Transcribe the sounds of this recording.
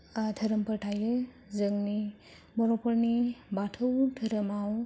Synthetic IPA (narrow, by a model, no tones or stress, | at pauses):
tʰəɾɯmpəɾtʰajɯ | zɯŋni | bɔɾɔpʰɔɾnibatʰɯwtʰəɾəmaw